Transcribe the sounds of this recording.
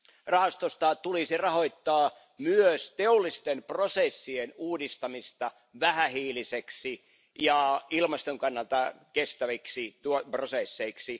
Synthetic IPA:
rɑhɑst̪ost̪ɑt̪ulisirɑhoit̪ːɑː | myøst̪eolːˑist̪emprosesːienuːdist̪ɑmist̪ɑ | ʋæhæhiːliseksi | jɑilmɑst̪oŋkɑnːɑlt̪ɑkest̪æʋiksit̪uoprosesːeiksi

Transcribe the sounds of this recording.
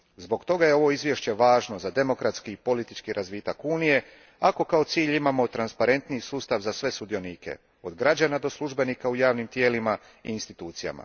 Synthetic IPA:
zbo̞ɡt̪o̞ɡaje̞o̞ʋo̞izʋjeʃt͡ɕe̞ʋaːʒno̞zad̪e̞mo̞kɾat̪skiːpo̞lit̪it͡ʃkiɾʔazʋiːt̪akuːnije̞ | ako̞kao̞t̪siːʎimamo̞t̪ɾanspaɾe̞nt̪nisuːst̪aʋzasʋe̞sud̪io̞niːke̞̰ | o̞d̪ɡɾad͡ʑanad̪o̞slˠuʒbe̞nikaujaːʋnimt̪je̞ːlima | ḭːnst̪it̪uːt̪sija̰ma̰

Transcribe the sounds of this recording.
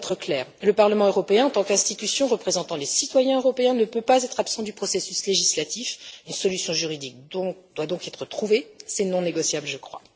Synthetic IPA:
t̪χəklɛːʁləpaʁləmɑ̃øʁɔpeɛ̃ɑ̃t̪ɑ̃kɛ̃st̪it̪ysjɔ̃ʁəpχezɑ̃t̪ɑ̃lesit̪wajɛ̃øʁɔpeɛ̃nəpøpazɛt̪χapsɑ̃d̪ypχɔsesysleʒislat̪ifynsɔlysjɔ̃ʒyʁid̪ik̪̚ɔ̃d̪wad̪ɔ̃kɛt̪χət̪χuvesɛnɔ̃neɡɔsjablʒəkχwa̰

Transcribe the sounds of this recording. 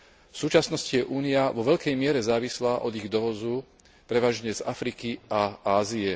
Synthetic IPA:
fsuːt͡ʃasnɔscijɛʔuːniaʋɔʋɛʎkɛjmɪɛɾɛzaːʋislaːʔɔd̪iɣd̪ɔʋɔzuː | pɾɛʋaːʒɲɛzafɾikiʔaaːziɛ

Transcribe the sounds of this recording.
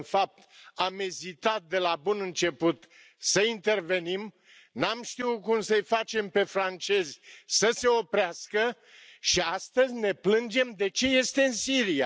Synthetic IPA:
nfap̚t̪amezit̪at̪̚d̪e̞labunɨnt͡ʃe̞put̪ | səint̪e̞rve̞nim | namʃt̪iwkumsəjfat͡ʃe̞mpe̞fɾant͡ʃe̞zʲsəse̞o̞pɾeaskə | ʃiast̪əzʲne̞plɨnd͡ʒe̞md̪e̞t͡ʃe̞je̞st̪e̞ɨnsiɾia

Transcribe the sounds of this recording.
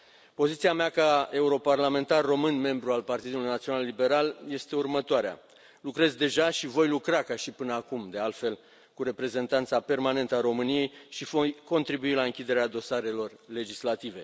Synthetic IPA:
po̞zit̪siameakae̞uɾo̞parlame̞nt̪arːo̞mɨnme̞mbɾualpart̪id̪ulujnat̪sio̞nalːibe̞ɾalje̞st̪e̞urmət̪oaɾea̰ | lukɾe̞zd̪e̞ʒaʃivo̞jlukɾakaʃipɨnəakumd̪e̞alt̪fe̞l | kuɾe̞pɾe̞ze̞nt̪ant̪sape̞rmane̞nt̪əaɾo̞mɨnije̞jʃivojko̞nt̪ɾibuilaɨŋkʲid̪e̞ɾead̪o̞saɾe̞lo̞rle̞d͡ʒislat̪ive̞

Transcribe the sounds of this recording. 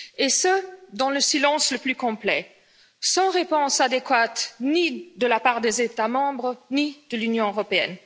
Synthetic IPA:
esəd̪ɑ̃ləsilɑ̃sləplykɔ̃plɛ | sɑ̃ʁepɔ̃sad̪ekwat̪nid̪əlapaːʁd̪ezet̪amɑ̃bʁənid̪̥əlynjɔ̃øʁɔpeɛ̰n

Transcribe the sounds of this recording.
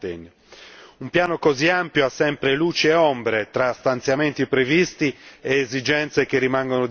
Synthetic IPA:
t̪ḛɲː | umpjaːnokoziampjoasːɛmpɾeluːt͡ʃeɛɔmbɾet̪ɾast̪ant̪sjament̪ipɾevist̪iɛːzid͡ʒɛnt̪sekerːimaŋɡono

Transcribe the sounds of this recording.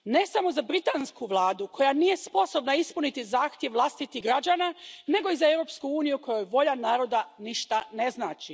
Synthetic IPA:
ne̞samo̞zabɾit̪anskuʋlˠaːd̪ukʰo̞janije̞spo̞so̞bnaispunit̪izaːxt̪jeʋlˠast̪it̪iɦɡɾad͡ʑanane̞ɡo̞izaewɾo̞pskuuːnijuko̞jo̞jʋo̞ʎanaːɾo̞d̪aniʃt̪ane̞znaːt͡ʃi

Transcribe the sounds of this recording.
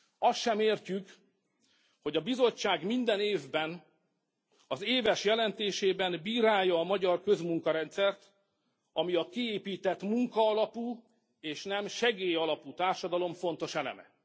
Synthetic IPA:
ɒstʃɛmeːrcyk | ho̞ɟɒbizo̞t͡ʃːaːɡmind̪ɛneːvbɛn | ɒzeːvɛʃjɛlɛnt̪eːʃeːbɛnbiːɾaːjːɒːmɒɟɒrkø̞zmuŋkɒɾɛnt̪sɛrt̪ | ɒmiɒkieːpiːt̪ɛt̪muŋkɒːlɒpuː | eːʃnɛmʃɛɡeːjɒlɒpuːt̪aːrʃɒd̪ɒlo̞ɱfo̞nt̪o̞ʃɛlɛ̰mɛ̰

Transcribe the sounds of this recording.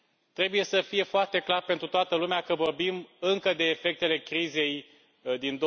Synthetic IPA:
t̪ɾe̞buje̞səfije̞foart̪e̞klarpent̪ɾut̪oat̪əlumeakəvo̞rbimɨŋkəd̪e̞ːfe̞k̚t̪e̞le̞kɾize̞j | d̪ind̪o

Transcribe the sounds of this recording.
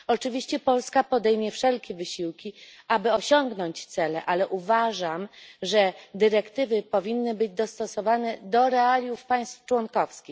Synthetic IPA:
ɔt͡ʂɘvʲiɕt͡ɕɛpɔlskapɔd̪ɛjmʲjɛfʂɛlkʲɛvɘɕiwkʲiʔabɘɔɕɔŋɡnɔɲt͡ɕt̪sɛlɛʔalɛʔuvaʐamʐɛd̪ɘɾɛkt̪ɘvɘpɔvʲinːɘbɘd͡ʑd̪ɔst̪ɔsɔvanɛd̪ɔɾɛalʲjufpaj̃st̪ft͡ʂwɔnkɔfskʲix

